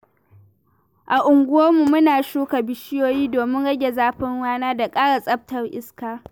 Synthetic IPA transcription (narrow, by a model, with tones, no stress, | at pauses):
ʔa˨ʔʊ˨ŋɡʷʊ˦woː˦mu˨mʊ˦naː˨ʃuː˦ka˨bɪ˨ʃɪ˦joː˦jiː˦doː˨mɪ˦nɽɐ˦ɡʲe˨zaː˦ɸɪ˦ŋwaː˦naː˦da˨kʼaː˦ɽa˨sʼɐ˦p̚tɐ˦rʔɪ˦skaː˨